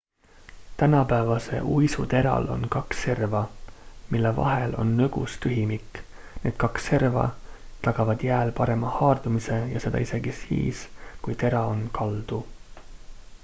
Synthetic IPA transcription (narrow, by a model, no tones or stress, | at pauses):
t̪ænɑpævɑse̞̰ʔuːisut̪e̞ɾɑ̰lo̰nkɑkse̞rvɑmilːevɑ̰ɦe̞lo̞̰nːøɡ̥ṵst̪yɦimikːˑ | ne̞ːd̪̥kɑksːe̞rvɑ̰t̪ɑɡ̥ɑvɑd̪jæːlpɑɾe̞mɑhɑːrd̪umise̞jɑse̞d̪̥ɑ̰ise̞ɡisḭːskujt̪e̞ɾɑonkɑld̪̥u